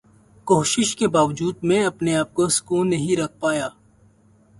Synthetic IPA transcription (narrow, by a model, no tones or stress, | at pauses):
koːʃɪʃkebaːʋd͡ʒuːd̪̚mẽɐpneaːp̚kosʊ̥kuːnːɐɦĩɾɐk̚ʰpaːjaː